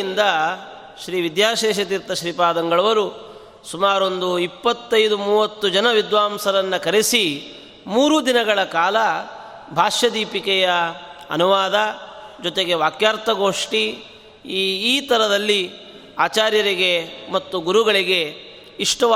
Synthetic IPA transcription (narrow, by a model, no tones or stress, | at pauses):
ind̪ɐ | ʃɾiːʋid̪jaːʃɛːʃɐt̪iɾt̪ːɐʃɾiːpaːd̪ɐŋɡɐɭɐʋɐɾu | sumaːɾond̪uipːɐt̪ːɐjd̪umuːʋɐt̪ːud͡ʒɐnɐʋid̪ʋaːmsɐɾɐnːɐkɐɾisi | muːɾud̪inɐɡɐɭɐkaːlɐ | bʱaːʃjɐd̪iːpikɛjɐɐ̰nuʋaːd̪ɐd͡ʒɔt̪eɡe̞ʋaːkjaːɾt̪ɐɡoːʂʈi | t̪ɐɾɐd̪ɐlːi | aːt͡ʃaːɾjɐɾiɡe̞mɐt̪ːuɡuɾuɡɐɭiɡe̞ | iʂʈɐ